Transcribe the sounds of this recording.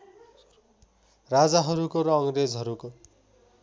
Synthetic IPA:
rad͡zaɦʌɾukoɾʌːŋred͡zɦʌɾuko

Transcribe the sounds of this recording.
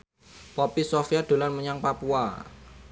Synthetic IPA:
pɔpisofiad̪̥o̤lanməɲaŋpapua

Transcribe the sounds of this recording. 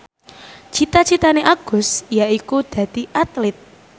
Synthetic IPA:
t͡ʃit̪at͡ʃit̪aneʔaɡ̥ʊ̤sjaikud̪̥ä̤d̪̥iʔat̪lɪt̪̚

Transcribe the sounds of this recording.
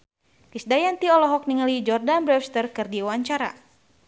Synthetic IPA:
kisdajant̪iɔlɔɦɔk̚niŋalid͡ʒɔrdanbɾɛfst̪ərkɨrdiwaɲt͡ʃaɾa̰

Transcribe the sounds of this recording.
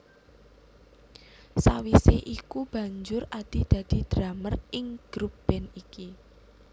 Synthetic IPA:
sawiseʔikub̥ä̤ɲd͡ʒʊrad̪̥i̤d̪̥ä̤d̪̥i̤d̪̥ɾamərɪŋɡ̥ɾub̥ɛniki

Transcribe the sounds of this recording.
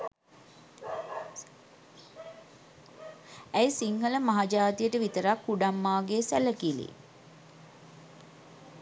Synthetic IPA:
æjsiŋɡələmaɦad͡ʒaːt̪ijəʈəʋit̪əɾakːuɖamːaːɡeːsæləkilḭ

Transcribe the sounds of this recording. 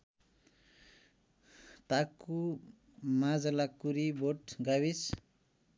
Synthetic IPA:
t̪aku | mad͡zalakuɾiboʈɡawis

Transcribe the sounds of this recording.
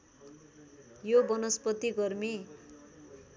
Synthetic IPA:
jobʌnʌspʌt̪iɡʌrmi

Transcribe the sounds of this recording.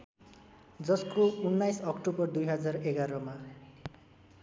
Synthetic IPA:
d͡zʌskounːajsʌkʈobʌrd̪ujɦʌd͡zareɡaɾʌma

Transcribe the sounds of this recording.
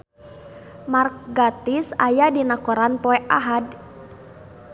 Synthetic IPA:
marɡat̪isajadinakɔɾanpɔɛʔaɦad̚

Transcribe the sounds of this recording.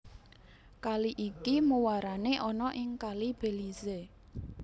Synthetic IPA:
kaliʔikimuwaɾaneʔɔnɔʔɪŋkalib̥e̤lize

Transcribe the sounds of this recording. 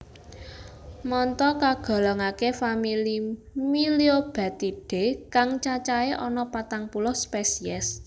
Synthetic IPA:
mɔnt̪ɔkaɡ̥ɔ̤lɔŋakefamili | miliob̥ä̤t̪iɖ̥e̤kaŋt͡ʃat͡ʃaeʔɔnɔpat̪aŋpulɔspesiɛs

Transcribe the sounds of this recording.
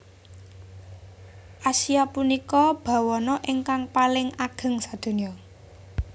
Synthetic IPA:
ʔasiapunikɔb̥a̤wɔnɔʔɪŋkaŋpalɪŋaɡ̥ə̤ŋsad̪̥o̤niɔ

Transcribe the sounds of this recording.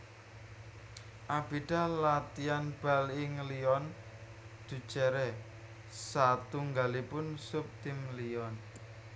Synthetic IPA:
ʔab̥iɖ̥a̤lat̪ianb̥alɪŋliɔn | d̪̥ṳ̥t͡ʃɛɾɛ | sat̪uŋɡalipʊnsup̚t̪ɪmliɔn

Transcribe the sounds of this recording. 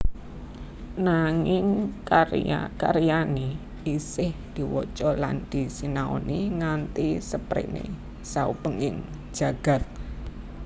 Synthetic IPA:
naŋɪŋkaa̰kaɾijani | isɪhd̪̥i̤wɔt͡ʃɔla̰nd̪̥isinao̰niŋant̪isəpɾḛnḛ | saṵpəŋɪŋ̥ | ʒ̥a̤ɡ̥a̤t̪̚

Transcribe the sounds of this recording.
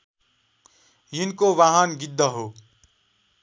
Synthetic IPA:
jinkowaɦʌnɡid̪ʱːʌɦo

